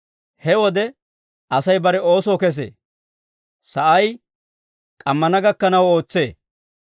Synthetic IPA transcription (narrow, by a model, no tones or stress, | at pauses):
hɛwɔd̪ɛ | ɐsɐjbɐɾɛo̞ːsoːkɛs̬ḛː | sɐʔɐj | kʼɐmːɐnɐɡɐkːɐnɐwo̞ːt͡sːe̞ː